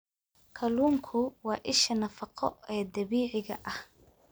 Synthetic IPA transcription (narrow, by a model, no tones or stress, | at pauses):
kʰɐluːŋkʰʊwɑːʔɪʃɐnɐfɑqɔ̰ɛːd̪ɐβiːʕɪɣɐ̰ʔɐh